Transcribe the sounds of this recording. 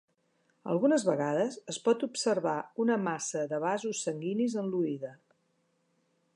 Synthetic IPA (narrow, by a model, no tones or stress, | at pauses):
ə̰lˠɣunəzβəɣaðəzəspɔt̪upsəɾβaunəmasəðəβ̞azusːəŋɡinizənluiðə